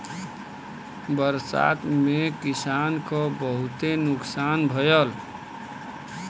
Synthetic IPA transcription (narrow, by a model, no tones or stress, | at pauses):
bəɾsa̰t̪mekisankʌbəɦut̪enuksanbʱəjəl